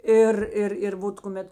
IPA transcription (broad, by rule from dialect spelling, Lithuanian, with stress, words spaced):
ˈɪr ˈɪr ɪr ˈʋoːt kʊˈmʲɛt